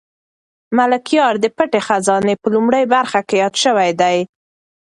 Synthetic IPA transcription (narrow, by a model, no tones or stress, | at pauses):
malakjɑɾd̪əpəʈexazɑnepəlumɽəjbaɾxakejɑd̪ʃəwajd̪aj